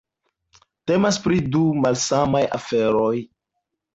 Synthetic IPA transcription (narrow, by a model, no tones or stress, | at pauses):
te̞maspɾidumalsamaja̰fe̞ɾoj